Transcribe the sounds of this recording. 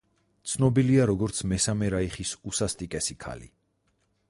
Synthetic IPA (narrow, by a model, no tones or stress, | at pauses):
t̪sʰnɔbiliaɾɔɡɔɾt̪sʰmɛsamɛɾaiχisusast̪ʼikʼɛsikʰa̰lḭ